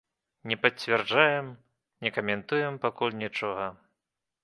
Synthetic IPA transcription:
nʲɛpɐt͡sʲvʲɛrd͡ʐajɛm | nʲɛkɐmʲɛnt̪ujɛmpakulʲnʲit͡ʂɔɣɐ

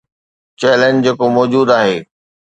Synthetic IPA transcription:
t͡ɕɛːlẽɲd͡ʑd͡ʑeːkomɔːd͡ʑuːd̪aːɦeː

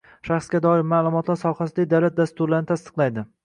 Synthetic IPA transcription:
ʃaχsɡʲad̪ɒɪɾmaːlˠʊmɒt̪ʰlaɾsɒhasɪd̪ad̪awlat̪̚d̪ast̪ʊɾlaɾnɪt̪ʰast̪ɨ̥qlˠajd̪ɪ

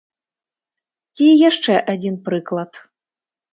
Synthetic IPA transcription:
t͡sʲijaʂt͡ʂɛʔad͡zʲinpɾɨklˠɐt̪

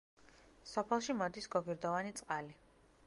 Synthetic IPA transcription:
sɔpʰɛlˠʃimɔd̪isɡɔɡiɾd̪ɔvanit̪sʼqʼali

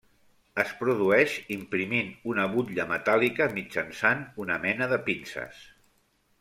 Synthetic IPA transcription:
əspɾuðuɛʃimpɾiminunəβuʎəmət̪alikəmid͡ʒənsanunəmɛnəðəpinsə̰s

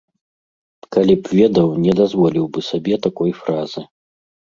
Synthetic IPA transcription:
kalʲipvʲɛd̪ɐwnʲɛd̪azvɔlʲiwbɨsabʲɛt̪akɔjfɾazɨ

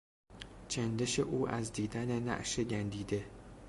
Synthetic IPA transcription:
t͡ʃʰænd̪eʃeʔuːʔæzd̪iːd̪ænenæ̰ʔʃeɟænd̪iːd̪e̞

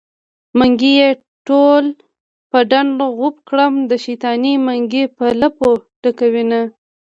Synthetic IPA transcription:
maŋɡije | ʈol | pəɖaɳɣupkɽəmd̪əʃit̪ɑnimaŋɡipəlapoʈəkawina

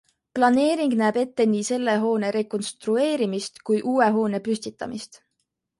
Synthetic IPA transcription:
plɑne̞ːɾiŋɡ̥næːbe̞t̪ːe̞niːse̞lːe̞ɦo̞ːne̞ɾe̞ko̞nst̪rue̞ːɾimist̪kujʔuːe̞ɦo̞ːne̞pyst̪it̪ːˑɑ̰mist̪

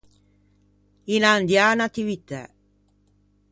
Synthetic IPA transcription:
inand̪jaːnat̪iwit̪a̰

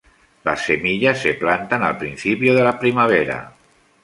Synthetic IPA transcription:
la̰sːemiʎasːeplant̪ana̰lˠpɾinθipioðəlapɾimaβ̞eɾa̰

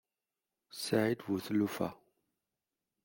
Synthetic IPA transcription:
saitvuθəlufa̰

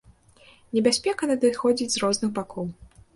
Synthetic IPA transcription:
nʲɛbʲasʲpʲɛkɐnɐd̪ɨxɔd͡zʲid͡zʲzrɔznɨɣbakʰɔw

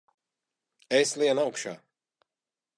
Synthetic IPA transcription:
eslˠiɛnawkʃa̰ː

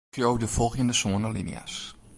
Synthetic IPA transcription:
fjowdəfɔlˠxjəndəsoənəlḭnḭa̰s

